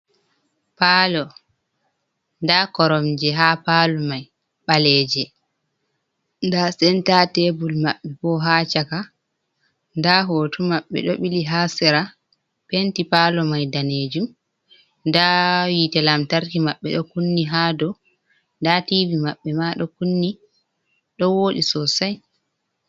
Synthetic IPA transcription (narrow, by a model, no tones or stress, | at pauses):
paːlɔ | ndakɔɾɔmd͡ʒɛɦaːpaːlɔmaj | ɓalɛd͡ʒɛ | ndasɛntatebulmaɓːɛpɔɦat͡ʃaka | ndaɦotumaɓːɛ̰ɗɔɓiliɦasɛɾa | pentipalɔmajdaned͡ʒum | ndawitɛlamtaɾkimaɓːɛ̰ɗɔkunːiɦaːdɔ | ndativimaɓːɛmaɗɔkunːi | ɗɔwoːɗisɔsaj